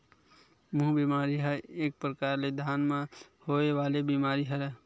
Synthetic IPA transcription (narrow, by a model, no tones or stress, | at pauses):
mũɦbimaːɾiɦɛeːk̚pɾəkaːɾled̪ʱaːnmẽhoeʋaːlebimaːɾiɦəɾ